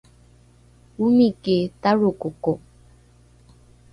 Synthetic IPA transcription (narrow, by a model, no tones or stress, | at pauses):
umiketaɾokoko